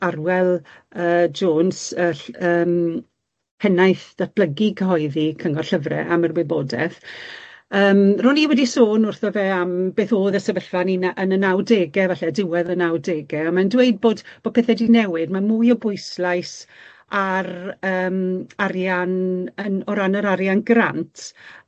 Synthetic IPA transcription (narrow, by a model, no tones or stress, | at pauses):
arwɛlˠəːd͡ʒoːnsəɬəːm | pʰɛnajθd̥at̚b̥ləɡikʰəɦɔɨðikʰəŋɔrɬəvrɛ̰ʔamərwɪboːdɛ̰θ | əːmrɔːniwɛdisoːnʊrθɔvɛːambeːθoːðəsɛvəɬv̥aninaʔənənawdeːɡɛvaɬɛdɪwɛðənawdeːɡɛɔmandwejd̚boːdb̥oːd̚pʰeːθɛdinɛwɪdmamuːjɔbʊɨslˠajs | arəːmarjanənɔɾanəɾaɾjanɡra̰ntʰ